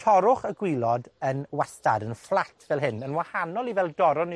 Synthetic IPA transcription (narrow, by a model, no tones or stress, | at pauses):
tʰɔɾʊχəɡwɪlˠɔdənwastadənflˠatʰvɛlˠɦɪnənwahanɔlˠivɛlˠdɔɾɔn